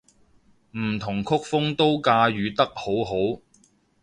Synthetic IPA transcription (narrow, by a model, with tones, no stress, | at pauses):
m̩˨˩t̪ʰʊ˨˩ŋkʰʊ˥k̚fʊ˥ŋt̪o˥wkaː˧ɥyː˨˧t̪ɐ˥k̚ho˨˥wɦo˨˥w